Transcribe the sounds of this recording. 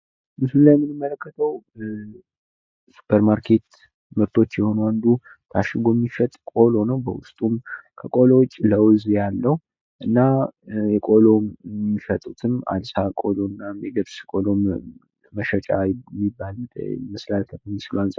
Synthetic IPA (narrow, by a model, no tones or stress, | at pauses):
mɨslulajɛmːɨnɨmːələkːət̪ʰəw | su̥pʰəɾmaɾkʰe̞t̪ | məbt̪ʰo̞t͡ʃːjɛho̞nuand̪u | t̪ʰaʃɪɡo̞mːifət̪ʼkʼo̞lo̞nəwbəwʊst̪ʼumkʰəkʼo̞lowt͡ʃʼːləwzjalːəh | ʔɨnːajɛkʼo̞lo̞mmːifət̪ʼut̪ʰɨma̰d̪sakʼo̞lonːajɛɡəβskʼolo | məʃət͡ʃʼajmːibːal̰mɨslalt̪ʰəfnːisɨluansʼ